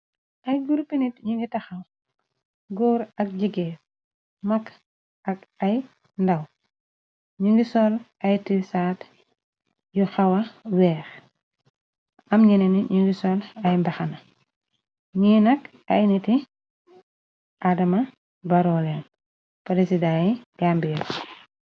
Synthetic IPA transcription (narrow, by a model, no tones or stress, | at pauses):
ʔɐjɡuɾpinitɲiŋɡitɐxɐw | ɡɔːɾɐk̚ɟiɡɛ | mɐk | ɐkɐj | ndɐw | ɲiŋɡisɔlɐjtisaːt | juxɐwɐwɛːx | ɐmɲinɛniɲuŋɡisɔlɐjmbɐxɐnɐ | ɲiːnɐk | ɐjniti | ʔadɐmɐ | bɐɾɔlɛn | pɐɾesidaːijaːmbijɐl